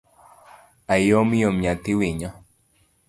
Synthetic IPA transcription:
ajjomijomɲat̪iwiɲa

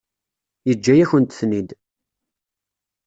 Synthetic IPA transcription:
jəd͡ʒːæjæçənt̪θnid̪

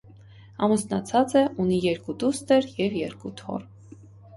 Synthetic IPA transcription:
ɑmusnɑt͡sʰɑt͡sɛʔunijɛɾkud̪ust̪ɛɾjɛvjɛɾkut̪ʰɔ̰r

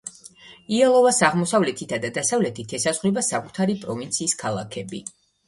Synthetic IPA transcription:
ialˠɔvasaʁmɔsavlɛt̪ʰit̪ʰad̪ad̪asavlɛt̪ʰit̪ʰɛsazʁwibasakʼut̪ʰaɾipʼɾɔvint̪sʰiːskʰalˠa̰kʰɛbi

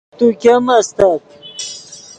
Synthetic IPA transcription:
t̪ukʲamɐst̪at̪

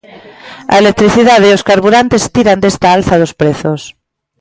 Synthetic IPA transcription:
a̰elek̚t̪ɾiθiðað̞ioskaɾβuɾant̪est̪iɾand̪est̪aalθaðospɾeθos

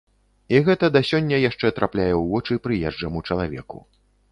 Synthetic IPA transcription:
iɣɛt̪ɐd̪asʲɔnʲːɐjaʂt͡ʂɛt̪ɾaplʲajɛwvɔt͡ʂɨpɾɨjɛʐd͡ʐɐmut͡ʂɐlˠavʲɛ̰kṵ

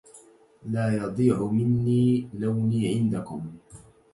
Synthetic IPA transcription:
laːjɑd̪ˤiːʕʊmɪnːiːlawniːʕɪnd̪akʊm

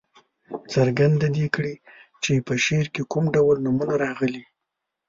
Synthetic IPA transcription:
t͡səɾɡand̪ad̪ikɽit͡ʃepəʃeɾkekumɖawəlnumunaɾɑɣəli

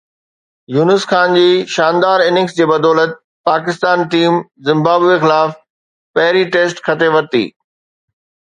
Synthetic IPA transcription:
juːnɪsxaːnd͡ʑiːʃaːnd̪aːɾɪnɪ̃ŋsd͡ʑeːbɐd̪ɔːlət̪̚ | paːkɪst̪aːnʈiːmzɪ̃mbaːbʋexɪlaːf | pɐɦɪɾiʈeːsʈkʰɐt̪ʰeʋɐt̪ḭː

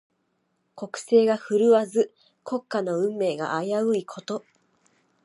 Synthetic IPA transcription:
ko̞kɯ̟̥se̞ːɡaɸɯ̟ɾɯ̟βazɨ | kʰo̞kːano̞ɯ̟̃mːe̞ːɡa̰ʔajaɯ̟ikʰo̞t̪o̞

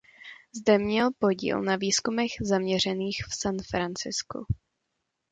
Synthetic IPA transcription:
zdɛmɲɛlpo̞ɟḭːlnaviːskumɛɣzamɲɛr̝ɛniːxfsanfɾant͡sɪskṵ

